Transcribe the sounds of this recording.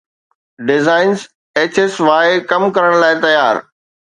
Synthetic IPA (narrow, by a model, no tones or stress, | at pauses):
ɖɪzaːɪnz | eːt͡ɕesʋaːɪkɐmkɐɾəɽ̃laːɪt̪ɐjaːɾ